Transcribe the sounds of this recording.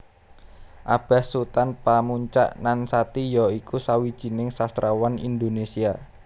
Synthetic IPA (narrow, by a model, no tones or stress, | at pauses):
ʔab̥a̤sut̪anpamuɲt͡ʃa̰ʔnansat̪ijɔikusawid̥ʒ̥i̤nɪŋsast̪ɾawanḭnd̪onesia